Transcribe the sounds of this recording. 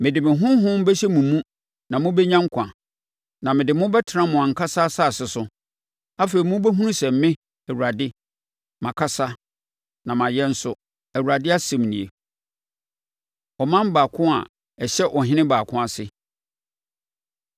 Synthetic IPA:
mɪ̃˨dɪ˨mɪ̃˨ɦʊ̃˦ɦʊ̃˦m˦bɛ˦ɕɛ˦mũ˨mũ˦ | nã˨mʊ̃˦bɛ˦ɲã˦ŋ̩˦kʷʰã̰˨ | nã˨mɪ̃˨dɪ˨mʊ̃˦bɛ˦tʰɪ˨˦nã˦mʊ̃˨ã˨ŋ̩˨kʰa˦sa˦sa˦˨sɪ˨sʊ˦ | a˦fe˨i˨mʊ̃˦bɛ˦ɦũ˦nũ˦sɛ˨m̩˨˦mɪ̃˦ | æ˨wu˨ɾa˨dɪ˦ | mã˨kʰa˦sa˦ | nã˨mã˨jɛ˦n̩˦sʊ˦ | æ˨wu˨ɾa˨dɪ˦a˦sɛ̃˨mnĩ˨e˨ | ɔ˨mã˦mbaː˨kʰʊ̃˦a̰˨ | ɛ˨ɕɛ˦ʔɔ˨ɦɪ̃˦nɪ̃˦baː˨kʰʊ̃˦a˨sɪ˦

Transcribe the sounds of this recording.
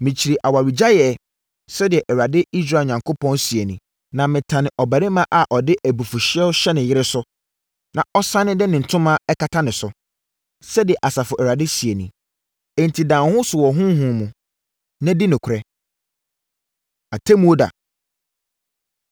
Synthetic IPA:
mĩ˨t͡ɕʰi˨ɾi˨ʔa˨wa˨ɾi˨d͡ʑa˦jɛ˨ | sɛ˦dɪ˨ɛ˨ʔɛ˨ɾa˨dɪ˦i˦s̬ɾaː˨ɲã˨ŋkʰʊ˦pʰɔ̃˦nsi˨e˨nĩ˨ | nã˨mɪ̃˨tʰã˨nɪ̃˨ʔɔ˨bæ˨ɾɪ˦mã˦ʔa˨ʔɔ˨dɪ˦ʔæ˨bu˨fu˨ɕɪ˦ɛ˦ɕɛ˦nɪ̃˨jɪ˦ɾɪ˦sʊ˦ | nã˨ʔɔ˦sã˦nɪ̃˦dɛ˦nɪ̃˨n̩˨tʰʊ̃˦mã˦ɛ˦kʰa˦tʰa˦nɪ̃˨sʊ˨ | sɛ˦dɪ˨ɛ˨ʔa˨sa˨fʊ˨ʔɛ˨ɾa˨dɪ˦si˨e˨nḭ̃˨ | ɛ˨n̩˨tʰi˨dã˨˦hʊ̃˦sʊ˨wɔ˨ɦʊ̃˦ɦũ˨mũ˨ | nã˦di˦nʊ̃˨kʷʰʊ˨ɾɛ˦ | a˨tʰe˦mũ˦o˦da̰˨

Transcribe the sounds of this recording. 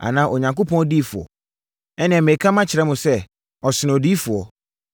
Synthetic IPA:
a̰˨nãː˦ʔo˨ɲã˨ŋko˦pʰɔ̃˦n˦diː˦fʊ˨ɔ̰˨ | ɛ˦nɪ̃˨ɛ̃˨me˨kʰã˦mã˦t͡ɕʰɪ˨ɾɛ˦mʊ̃˨sɛ˦ | ɔ˨sɪ˨nɪ̃˨diː˦fʊ˨ɔ˨

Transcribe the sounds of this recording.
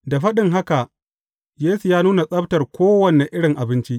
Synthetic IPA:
da˨ɸɐ˦ɗɪ˨ŋɦa˦ka˨ʔ | jeː˦su˨jaː˦nuː˦na˨sʼɐ˦btɐ˨rkʷoː˦wɐ˨ne˨ʔɪ˦ɽɪ˨ŋʔa˨bɪ˦nt͡ʃi˦ʔ

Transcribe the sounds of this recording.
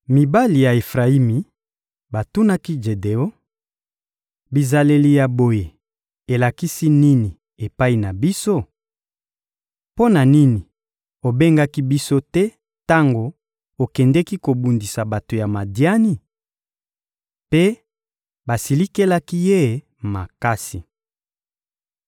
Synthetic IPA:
mi˨ba˦li˨ja˨e˨fʁa˨i˦mi˨ | ba˨tu˦na˦ki˦d͡ʒe˨de˨o˦ | bi˨za˨le˨li˨ja˨bo˨je˨ | e˨la˨ki˦si˦ni˦ni˨ | e˨pa˦i˨na˨bi˦so˦˨ | po˦na˨ni˦ni˨ | o˨be˦ŋɡa˦ki˦bi˦so˦tɛ˦ | ta˦ŋɡo˨ | o˨kɛ˨ndɛ˦ki˦ko˨bu˨ndi˨sa˨ba˨to˨ja˨ma˨dja˦ni˦ | pe˦ | ba˨si˨li˦ke˦la˦ki˦je˦˨ | ma̰˨ka˦si˨

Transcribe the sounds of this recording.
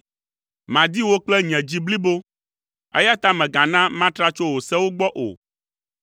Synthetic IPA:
mã˨d̪i˦wo˦k͡plɛ˦ɲɛ̃˨d͡ʑi˦bli˦bo˦ | ɛ̰˦ja˦t̪a˦mɛ̃˨ɡã˨nã˦mã˦t̪ɾa˦t͡ʃo˦wo˨sɛ˦wo˦ɡ͡bɔ˦ʔo̰˨

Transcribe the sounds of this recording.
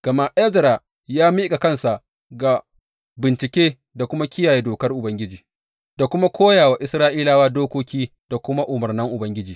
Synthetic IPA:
ɡ̥ɐ˨ma˨ʔɛ˦zɾa˨ | jaː˦miː˦kʼa˨kɐ˦nsa˨ʔ | ɡa˨ | bɪ˨nt͡ʃɪ˨kʲeː˦ | da˨kʷʊ˦ma˦kʲɪ˦jaː˨jeː˦doː˨kɐ˦rʔʊ˨bɐ˦ŋɡʲɪ˦d͡ʒiː˨ | d̥a˨kʷʊ˦ma˦kʰʷoː˦jaː˨waː˨ʔɪ˦sɾaː˦ʔiː˦laː˨waː˦doː˦kʷoː˦kʲiː˦d̥a˨kʷʊ˦ma˦ʔʊ˨mɐ˨rnɐ˦ŋʔʊ˨bɐ˦ŋɡʲɪ˦d͡ʒiː˨

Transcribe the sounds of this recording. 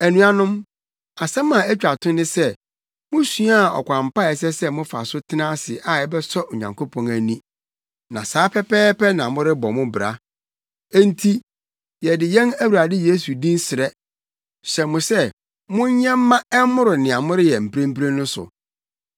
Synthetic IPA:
æ˨nũ˨a˨nʊ̃˦m | a˨sɛ̃˦mã˨æ˦t͡ɕᶣa˨tʰʊ̃˦nɪ̃˦sɛ˦ | mʊ̃˦su˦a˦˨ɔ̰˨kʷʰã˨m̩˨pa˦ɛ˨s̬ɛ˦sɛ˦mʊ̃˦fa̰˨sʊ˦tʰɪ˦nã˦sɪ˨ʔa˨ɛ˦bɛ˦sɔ˦ʔɲã˨ŋkʰo˦pʰɔ̃˨ŋæ˨nĩ˦ | nã̰˨saː˨˦pʰɛ˦pɛː˦pɛ˦nã˨mʊ̃˦ɾɪ˦bɔ˨mʊ̃˦bɪ˨ɾa̰˨ | ɛ˦n˦tʰi˦ | jɛ˨dɪ˨jɛ̃˦næ˦wu˨ɾa˨dɪ˦je˦su˨dĩ˦n˦sɪ˨ɾɛ˦ | ɕɛ˨mʊ̃˨sɛ˦ | mʊ̃˦ɲ˦ɲɛ̃˦mː˦ã˦ɛ˦mʊ̃˦ɾʊ˨nɪ̃˨a˨mʊ̃˦ɾɪ˦jɛ˨m̩˨pʰɾẽ˦m˦pɾe˦nʊ̃˦sʊ̰˨

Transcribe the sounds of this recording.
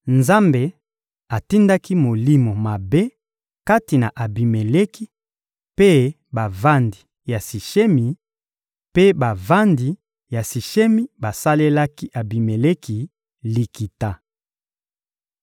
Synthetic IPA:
nza˦mbe˨ | a˨ti˦nda˦ki˦mo˨li˦mo˨ma˨be˦ | ka˦ti˨na˨ʔa˨bi˨me˨le˦ki˦ | pe˦ | ba˨va˦ndi˨ | ja˨si˨ʃe˦mi˨ | pe˦ba˨va˦ndi˨ | ja˨si˨ʃe˦mi˦ba˨sa˦le˦la˦ki˦ʔa˨bi˨me˨le˦kʰi˨ | li˨ki˨ta˦

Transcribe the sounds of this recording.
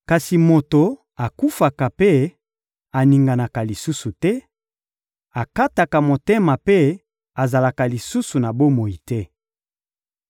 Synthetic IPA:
ka˨si˨mo˨to˨ | a˨ku˦fa˨ka˨pe˦ | a˨ni˨ŋɡa˨na˨ka˨li˨su˦su˨tɛ˦ | a˨ka˦ta˨ka˨mo˨te˦ma˨pe˦ | a˨za˨la˨ka˨li˨su˦su˨na˨bo˦mo˨i˨tɛ˦

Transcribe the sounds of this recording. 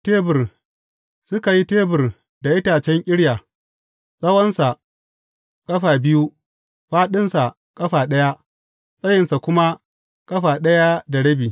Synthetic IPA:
teː˦bɪ˨r | sʊ˦ka˨ji˦teː˦bɪ˨r | da˨ʔɪ˦taː˨t͡ʃɛ˦ŋkʲʼɪ˦ɽjaː˨ | sʼɐ˦wɐ˦nsa˨ | kʼɐ˦ɸaː˨bɪ˦ju˦ | ɸaː˦ɗɪ˦nsa˨ | kʼɐ˦ɸaː˨ɗɐ˦ja˦ | sʼɐ˦jɪ˨nsa˨kʷʊ˦ma˦ | kʼɐ˦ɸaː˨ɗɐ˦ja˦da˨ɽɐ˦biː˨

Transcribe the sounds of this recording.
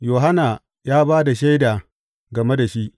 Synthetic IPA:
joː˨ɦa˦naː˨ | jaː˦baː˦da˨ʃa˦jdaː˨ | ɡɐ˨me˦da˨ʃi˦ʔ

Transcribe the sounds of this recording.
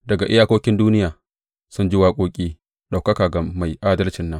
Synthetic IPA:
dɐ˨ɡa˨ʔɪ˦jaː˦koː˦kʲɪ˦nduː˦nɪ˦jaː˨ | sʊ˦nd͡ʒɪ˦waː˦kʷʼoː˦kʲʼiː˦ | ɗa˨wkɐ˦kaː˨ɡa˨ma˨jʔaː˦dɐ˦lt͡ʃɪ˨nːɐ˦ŋ

